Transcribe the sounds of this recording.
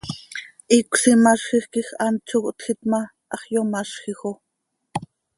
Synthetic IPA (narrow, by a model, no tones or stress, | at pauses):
ʔikʷsimɑʃχixkixɑnt͡ʃʰokt̪xit̪mɑ | ʔɑχjomɑʃχixo